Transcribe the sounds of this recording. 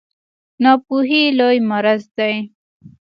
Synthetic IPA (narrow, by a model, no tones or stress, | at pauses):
nɑpuɦilojmaɾazd̪aj